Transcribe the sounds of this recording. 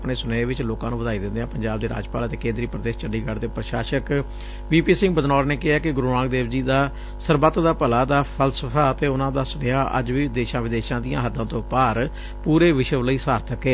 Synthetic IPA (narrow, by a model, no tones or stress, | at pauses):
pɳeːsʊnəeːʋɪt͡ʃloːkãːnũːʋəd̪aːid̪ɪ̃nd̪eːãːpəɲd͡ʒaːb̚d̪eːɾa̰ːd͡ʒpaːlət̪eːkẽːnd̪ɾiːpɾəd̪eːst͡ʃəɖiːɡəɾt̪eːpɾəʃaːʃək | ʋiːpiːsɪ̃ŋɡ̚bəd̪nɔːɾneːkɪaːkɪɡʊɾuːnãːɡ̚d̪eːʋd͡ʒiːd̪aː | səɾbət̪d̪aːpəlaːd̪aːpʰəlsəpʰaːt̪eːʊnãːd̪aːsəneːaːʔə̰d͡ʒʋiːd̪eːʃãːʋɪd̪eːʃãːd̪ijãːɦəd̪ːãːt̪õːpaːɾ | puːɾeːʋɪʃəʋləiːsaːɾt̪ʰəkeː